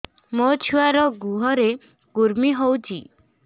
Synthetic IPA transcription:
mot͡ʃʰuaɾɔɡuɦɔɾe | ɡ̥uɾmiɦowt͡ʃʰi

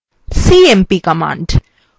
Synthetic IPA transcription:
siːempikɐma̰ːɳɖ

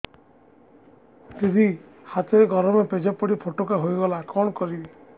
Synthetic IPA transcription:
t̪id̪ʱi | hat̪ɔɾeɡɔɾɔmeped͡ʒapɔɽipʰoʈokaɦojɡɔlakɔɽ̃ɔkɔɾi

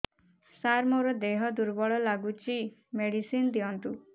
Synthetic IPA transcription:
saɾmoɾɔd̪eɦɔd̪uɾbɔɭɔlaɡut͡ʃimeɽisind̪iɔnt̪u

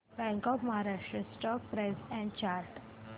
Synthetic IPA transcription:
bɛ̃ŋkɔfmaɦaɾaʃɾəsʈɔk̚pɾesɛ̃ɳɖt͡ʃaːɾʈ

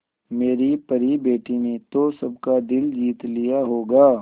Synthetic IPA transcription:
meːɾipɐɾibeːʈinet̪osɐb̚kad̪ɪld͡ʒiːt̪lijaɦoːɡaː

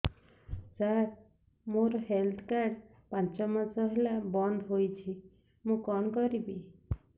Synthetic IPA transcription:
d͡ʒaɾ | moɾɔɦelt̪ʰkaɖ | pant͡ʃɔmat͡sɔɦelabɔnd̪ʱɦojt͡ʃʰi | mũkɔnkɔɾibi

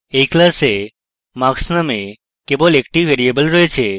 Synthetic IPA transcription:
eklase | maksnəme | kebolekʈiʋeɾiebəlɾoɦet͡ʃʰe

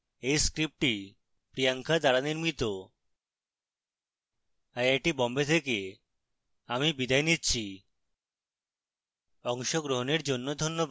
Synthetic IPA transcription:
ejskɾip̚ʈi | pɾijaŋkʰad̪aɾaniɾmit̪o | ajajʈibɔmbet̪ʰeke | amibid̪ajnitːɕʰi | ɔŋʃoɡɾoɦoneɾd͡ʑonːod̪ʱonːob

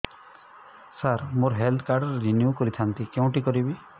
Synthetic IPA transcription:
saɾmuɾɦelt̪ʰkaɾɖɔɾɾinjukɔɾit̪ʰant̪ikew̃ʈikɔɾibi

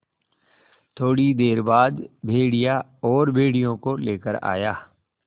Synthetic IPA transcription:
t̪ʰoːɽid̪eːɾbaːd̪bʱeːɽija | ɔːɾbʱeːɽijõkoleːkəɾa̰ːjaː

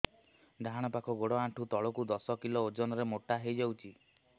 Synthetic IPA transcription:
d̪ʱaɦaɽ̃ɔpakʰɔɡoɽɔaʈʰut̪ɔɭɔkud̪ɔsɔkilɔod͡ʒɔnɔɾemoʈaɦejd͡ʒawt͡ʃʰi

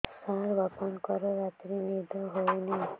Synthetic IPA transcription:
saɾɡʱɔpɔnkɔɾɔɾat̪ɾimiɾd̪ʱɔɦowni

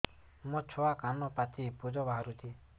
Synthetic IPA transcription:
mɔ̃t͡ʃʰɔakanɔpat͡ʃipud͡ʒɔbaɦaɾut̪ʰi

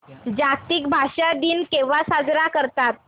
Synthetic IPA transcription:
d͡ʑak̚t̪iːkbʱaʂad̪iːnkẽʋasad͡zɾakəɾt̪at̪̚

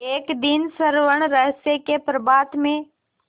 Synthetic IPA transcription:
eːkd̪ɪnsəɾʋəɽ̃ɾəɦsekepɾəbaːt̪mẽ

